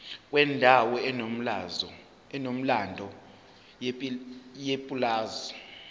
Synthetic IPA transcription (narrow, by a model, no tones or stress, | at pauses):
k̬ʼwɛndʱawɔɛ | ɛnom̩landʱɔ | jepʼulaːzɔ